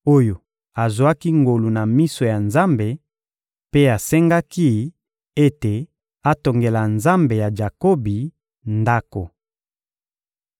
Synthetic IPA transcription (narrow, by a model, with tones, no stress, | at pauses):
o˦jo˨ | a˨zwa˦ki˦ŋɡo˨lu˨na˨mi˦so˨ja˨nza˦mbe˨ | pe˦a˨sɛ˦ŋɡa˦ki˦ | e˦te˨ | a˦to˨ŋɡe˨la˨nza˦mbe˨ja˨d͡ʒa˨ko˦bi˨ | nda˦ko˨